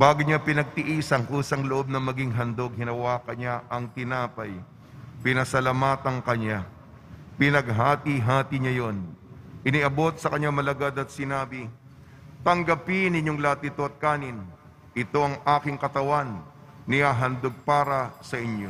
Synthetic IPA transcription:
baːɡʊɲapɪnɐɡ̚t̪ɪʔiːsɐŋkuːsɐŋloʔo̞b̚nɐmɐɡiŋɦɐnd̪o̞ɡ̚hɪnɐwaːkɐɲaʔɐŋt̪ɪnaːpɐj | pɪnɐsɐlamaːt̪ɐŋkɐɲa | pɪnɐɡ̚ɦaːt̪iɦaːt̪ɪɲajo̞nʔɪniʔɐbo̞t̪̚sɐkɐɲːamɐlɐɡad̪ɐt̪̚sɪnaːbɪ | t̪ɐŋɡɐpinɪɲːo̞ŋlɐt̪ɪt̪oɐt̪̚kaːnɪn | ʔɪt̪o̞ʔɐŋʔaːkɪŋkɐt̪ɐwanː | ɪhaːɦɐnd̪oɡ̚paːɾɐsɐʔɪɲo̞

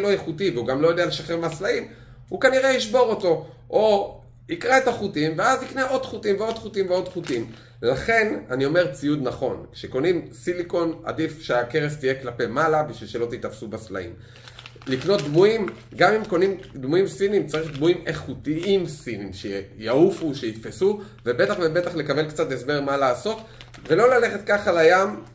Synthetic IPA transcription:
lo̞jeχutiveuɡamlo̞jo̞d̪e̞ale̞ʃaχeʁmeaslaim | hukaniʁe̞iʃbo̞ʁo̞to̞ | ʔo | ikʁeetaχutimveazikneʔo̞d̪χutimveo̞d̪χutimveo̞d̪χutim | laχe̞nanio̞me̞ʁt͡sijud̪naχo̞nkʃeko̞nimsiliko̞na̰difʃeake̞ʁest̪ijeklape̞malabiʃvilʃe̞lo̞t̪it̪afsubasla̰ḭm | likno̞t̪̚d̪muimɡamimko̞nimd̪muimsinimt͡saʁiχd̪muimeχut̪iimsinimʃejaufuʃeit̪fesu | vebe̞t̪aχvebe̞t̪aχle̞kabe̞lkt͡satesbe̞ʁmalaːso̞t̪ | ve̞lo̞laleχe̞t̪̚kaχalajam

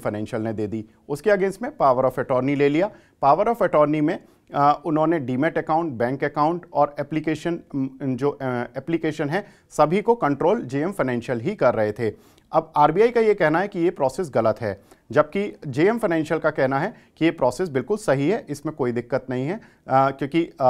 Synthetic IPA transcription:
fɐɪnɛ̃ːnʃjəlned̪eːd̪iː | ʊskeɐɡẽːnsʈmẽpaːʋəɾɔːfɛʈɔːɾnileːlijaː | paːʋəɾɔːfɛʈɔːɾnimẽ | ʊnɦõneɖiːmeʈɛkaːʊ̃ɳʈ̚bɛ̃ːŋkɛkãːʊ̃ɳʈɔːɾɛːplikeːʃənd͡ʒoːɛːplikeːʃənɦɛ | sɐbʱikokɐ̃ɳʈɾoːld͡ʒeːɛmfɐɪnɛ̃ːnʃjəlɦikɐɾːɐɦet̪ʰeː | ɐbaːɾbiaːikajekɛɦnaɦɛkijepɾɔːseːs̬ɣɐlət̪ɦɛːd͡ʒɐb̚kid͡ʒeːɛmfɐɪnɛ̃ːnʃjəlkakɛɦnaɦɛ | kijepɾɔːseːs̬bɪlkʊlsɐɦiɦɛʔɪsmẽkoːid̪ɪkːət̪nɐɦĩɦɛ | kjõːki

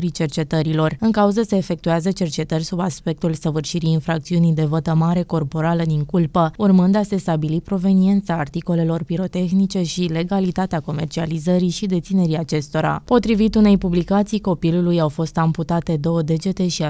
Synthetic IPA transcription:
ɾit͡ʃe̞rt͡ʃe̞t̪əɾilo̞rɨŋkauzəse̞ːfe̞k̚t̪uazət͡ʃe̞rt͡ʃe̞t̪ərʲsubaspe̞k̚t̪ulsəvɨrʃiɾijːnfɾak̚t̪siunijd̪e̞vət̪əmaɾe̞ko̞rpo̞ɾaləd̪iŋkulpəurmɨnd̪ase̞st̪abilipɾo̞ve̞nie̞nt̪saːrt̪iko̞le̞lo̞rpiɾo̞t̪e̞xnit͡ʃe̞ʃile̞ɡalit̪at̪eako̞me̞rt͡ʃializəɾiʃid̪et̪sine̞ɾiat͡ʃe̞st̪o̞ɾa̰po̞t̪ɾivit̪une̞jpublikat̪sijko̞pilulujawfo̞st̪amput̪at̪e̞d̪o̞wəd̪e̞d͡ʒe̞t̪e̞ʃi

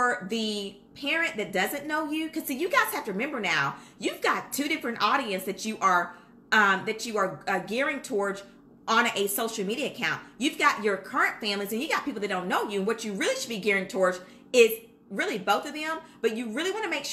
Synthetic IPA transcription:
ə˞ðɨ | pʰɛɹɨ̃nðɨt̚d̥ʌzɨ̃nːoʊjʉkʰʌz̥sijɨɡaɪz̥hæftəɹɨmɛ̃mbə˞naʊjʉvɡɑtʰʉɾɪfɹɨ̃nʔɔɾiɨ̃nsðɨt͡ʃɨʔə˞ | ʌ̃mðɨt͡ʃɨə˞ʌɡɛɹɪ̃ŋtʰɔɹd͡ʒ | ʔə̃nɨsoʊʃl̩ˠmiɾiɨɨkʰãʊ̃nt̚jʉvɡɑt͡ʃə˞kʰɜ˞ɨ̃ntfæ̃mlizɨ̃njɨɡɑt̚pʰipl̩ˠɨt̚d̥õʊ̃nːoʊjɨɨ̃nwʌt͡ʃɨɹɪlˠiʃɨd̚biɡɛɹɪ̃ŋtʰɔɹd͡ʒ | ɪz | ɹɪlˠiboʊθʌvðɨ̃mb̥ʌt͡ʃɨɹɪlˠiwɑ̃ñɨmeɪkʃ

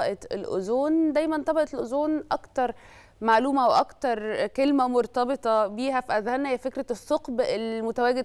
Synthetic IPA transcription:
ɑʔɑt̪elʔo̰zoːnd̪æjmænt̪ˤɑbɑʔɑt̪lʔozoːnʔɑkt̪ɑɾˤ | maʕluːmæweʔɑkt̪ɑɾˤkelmæmoɾˤt̪ɑbet̪ˤɑbiːɦæfiʔæzhænːæjæfekɾæsˤːoqbelmot̪æwæːɡed̪

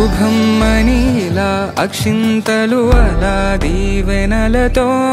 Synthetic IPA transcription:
ubʱɐmːɐnilaː | ɐkʂint̪ɐluɐlaːd̪iːʋenɐlɐt̪o

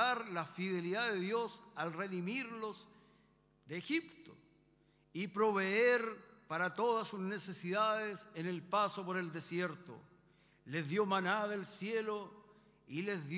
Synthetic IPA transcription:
aɾlafiðe̞liðaðeðjosalreðimiɾlos | d̪eːxipt̪o | ipɾo̞β̞eeɾpaɾat̪oðasːuznesesiðaðesenelpasop̬oɾe̞ld̪e̞sjeɾt̪o̰ | lezðjomanaðelsjelo | ilezð

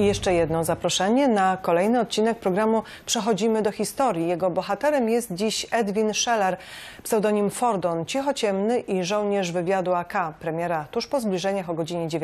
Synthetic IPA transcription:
ijɛʂt͡ʂɛjɛd̪nɔzapɾɔʂɛɲɛnakɔlɛjnɘɔt̪̚t͡ɕinɛk̚pɾɔɡɾamu | pʂɛxɔd͡ʑimɘd̪ɔxʲist̪ɔɾʲjijɛɡɔbɔxat̪ɛɾɛmjɛst̪̚d͡ʑiɕɛd̪vʲinʂɛlɛɾ | psɛwd̪ɔɲimfɔɾd̪ɔnt͡ɕixɔt͡ɕɛmnɘʔiʐɔ̃wɲɛʐvɘvʲjad̪uakapɾɛmʲjɛɾat̪uʂpɔzblʲiʐɛɲaxɔɡɔd͡ʑiɲɛd͡ʑe

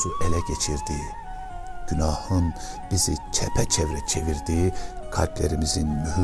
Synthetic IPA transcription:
uʔelɛɟet͡ʃʰiɾd̪i | ɟ̥ynɑːhɯn | b̥izit͡ʃʰɛpʰɛt͡ʃʰɛvɾɛt͡ʃʰeviɾd̪ikʰa̰lʲpleɾimizinmyh

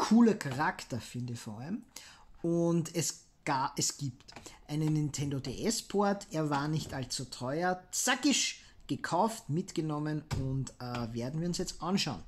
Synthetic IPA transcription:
kʰuːlɐkʰaʁaktɐfɪndəçfɔɐalm | ʊntɛs | ɡ̥aʔɛsɡ̥iːptʔæɪnənːɪntʰɛndodḛʔɛspʰoɐtʰeːɐvaːɐnɪçtalt͡sutʰɔʏɐt͡sakɪʃ | ɡ̥əkʰaʊftmɪtɡ̥ənɔmənʊntəveːɐdn̩viːɐʊnsjɛt͡stʔanʃɑʊn

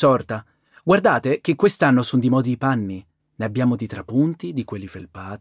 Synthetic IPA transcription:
sɔrt̪a | ɡward̪aːt̪ek̟ekːwest̪anːosond̪imɔːd̪iipanːi | neabːjaːmod̪it̪ɾapːunt̪id̪ikwelːifelpaːt̪

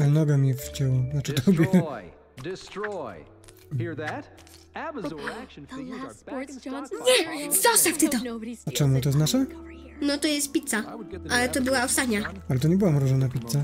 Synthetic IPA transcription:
anɔɡamʲift͡ɕɛwnat͡ʂɛt̪ʰɔbʲjɛ | dɪstɹ | it̚ | ɲɛzɔst̪aft̪ɨt̪ɔat͡ʂɛmut̪ɔjɛst̪naʂɛnɔt̪ɔjɛst̪̚pʲit̪saʔalɛt̪ɔbɨwaɔfsaɲaalɛt̪ɔɲɛbɨwamɾuʐɔnapʲit̪sa

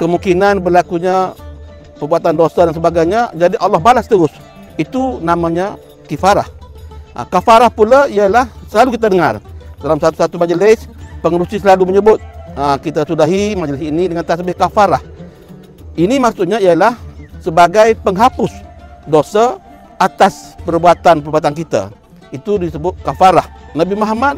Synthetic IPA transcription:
kəmuŋkinanbərlakuɲa | pərbuat̪andosadans̬əbaɡajɲad͡ʒadiʔalːɔhbalast̪əɾʊs | it̪unamaɲa | kifaɾa̰hʔkafaɾahpulaijalahsəlalukit̪̬adəŋa̰rdalamsat̪u̥sat̪umad͡ʒəlɪspəŋəɾusislaluməɲəbʊt̪̚əkit̪asudaɦimad͡ʒəlisinidəŋant̪asəbɪhkafaɾah | inimaksuʔɲaijalahsəbaɡajpəŋɦapʊsdosa | ʔat̪aspərbuat̪anpərbuat̪̬ankit̪a̰ | it̪udisəbʊt̪̚kafaɾahnabimaɦmad̪̚

